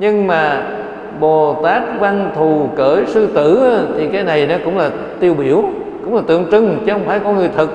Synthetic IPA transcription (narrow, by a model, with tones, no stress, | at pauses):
ɲɨ˧ŋmaː˨˩ | ɓo˨˩t̪aː˦˥k̚va˧nt̪ʰu˨˩kəː˧˩jsɨ˧t̪ɨ˧˩a˨˧˦t̪ʰi˨˩kaː˨˦jna˨˩jnɔ˨˦kʊ̰˧˥wŋ͡mlaː˨˩ | t̪i˧əwɓi˧˦əw | kʊ̰˧˥ŋ͡mlaː˨˩t̪ɨ̰˧˨əŋt͡ɕɨ˧˩ŋt͡ɕɨ˧˦hə˧wŋ͡mfaː˧˩jkɔ˧nŋɨ˨˩əjt̪ʰɨ˨˩k̚